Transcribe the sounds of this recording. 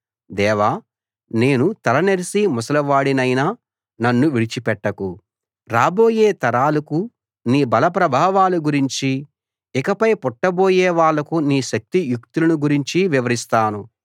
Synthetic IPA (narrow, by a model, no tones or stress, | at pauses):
d̪ɛːʋaː | ne̞ːnut̪ɐɾɐneɾisimɔsɐlɐʋaːɽinɐjnaː | nɐnːuʋiɽit͡ʃipɛʈːɐku | ɾaːbo̞ːjeːt̪ɐɾaːlɐku | niːbɐlɐp̬ɾɐbʱaːʋaːluɡuɾiɲt͡ʃi | ikɐpɐjpɔʈːɐbo̞ːjɛːʋaːɭːɐkuniːʃɐk̚t̪ijuk̚t̪ulɐnuɡuɾiɲt͡ʃiʋiʋɐɾist̪aːnu